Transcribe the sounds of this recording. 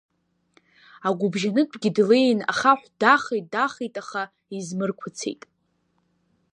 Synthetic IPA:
aɡʷʊbʒanɨdʷʰʼɡʲɪdlejna̰χaħᶣʷdaχejt̚daχejtʼaχa | izmɨrkʷʰat͡sʰe̞̰jtʼ

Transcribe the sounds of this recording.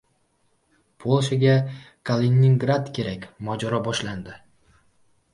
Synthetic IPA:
pʰolˠʃaɡʲa | kʰalʲenʲiŋɡɾad̪kʲʰe̞ɾakʲmɒd͡ʒɒɾɒbɒʃland̪ɪ

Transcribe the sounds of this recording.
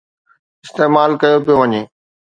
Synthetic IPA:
ɪst̪eːmaːlkɐjopijoʋɐɲeː

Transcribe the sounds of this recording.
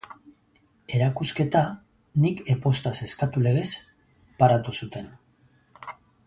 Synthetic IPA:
e̞ɾakuske̞t̪a | nikepo̞st̪ase̞skat̪ule̞ɣe̞s | paɾat̪usut̪e̞n

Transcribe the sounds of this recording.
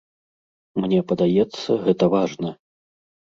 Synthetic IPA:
mnʲɛpɐd̪ajɛt̪sːɐ̰ɣɛt̪ɐvaʐnɐ

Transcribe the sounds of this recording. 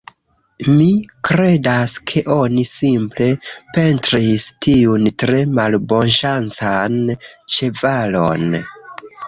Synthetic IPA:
mikɾe̞daskʰe̞ʔo̞nisimple̞pe̞ntɾistʰiuntɾe̞malbo̞nʃant͡sant͡ʃe̞valo̞̰n

